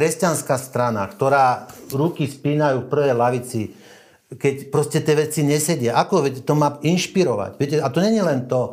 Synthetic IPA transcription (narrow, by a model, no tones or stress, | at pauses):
kɾɛscanskaːst̪ɾana̰kt̪ɔɾaːɾukispiːnajuːfpr̩ʋɛjlaʋit͡si | kɛcpɾɔscɛt̪ɪɛʋɛt͡siɲɛsɛɟɪaʔakɔʋɛcɛt̪ɔmaːinʃpiɾɔʋa̰cʋɪɛc̬ɛat̪ɔɲɛɲilɛnt̪ɔ